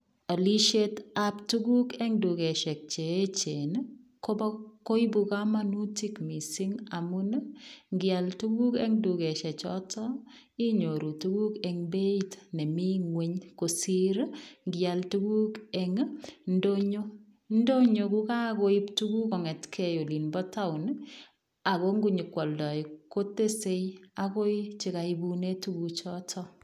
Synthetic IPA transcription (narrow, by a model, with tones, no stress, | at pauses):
a˨li˦ʃe˦ta˦ptu˦ɡu˦kɛ˦ŋdu˨ɡe˨ʃɛ˨k̚t͡ʃe˨e˦t͡ʃe˨n | ko˦ba˦ko˦i˦bu˧ka˦ma˦nu˦ti˦kmi˨sɪ˦ŋa˨mu˦n˦ŋɡja˨ltu˦ɡu˦kɛ̰˦ŋdu˨ɡe˨ʃɛ˨t͡ʃɔ̰˦tʰɔ˦ | i˦ɲo˨ɾu˨tu˦ɡu˦kɛ˨ŋbe˦i˦tnɛ˨mi˦ŋwe˦ɲko˨si˦ɾŋɡja˨ltu˦ku˦ke˨ŋndo˦ɲo˦ | ndo˦ɲo˨ku˦ka˦ko˦i˦ptu˦ku˦kɔ˨ŋɛ˨tkʰe˨jo˨li˨nbɔ˦ta˦u˨n | a˨ko˦ŋɡu˦ɲi˨kwɔ˨ldɔ˨jko˦te˦se˦ja˦ko˦i˦t͡ʃi˦ka˨ibu˦ne˦tu˦ku˧t͡ʃɔ˦tʰɔ˦